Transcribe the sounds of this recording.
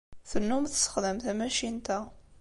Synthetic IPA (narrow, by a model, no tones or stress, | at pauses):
θənːumθsə̥χðəmt̪æmæʃint̪æ